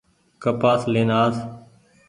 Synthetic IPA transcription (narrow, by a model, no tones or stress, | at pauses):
kəpaːsleːnaːs